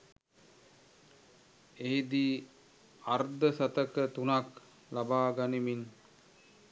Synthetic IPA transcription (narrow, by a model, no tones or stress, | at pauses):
eɦid̪i | ard̪əsat̪əkət̪unak | labaːɡanimin